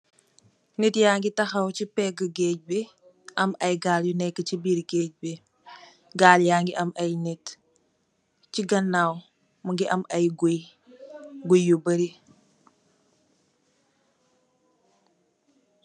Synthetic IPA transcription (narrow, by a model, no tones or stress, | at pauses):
nitjaːŋɡitɐxɐwcipɛɡəɡec̚bi | ɐmɐjɡaːljunɛkːəcibiːɾɡeːc̚bi | ɡaːljaːŋɡiʔɐmɐjnit | t͡ʃiɡɐnːaw | muŋɡiʔɐmɐjɡuj | ɡujːubəɾi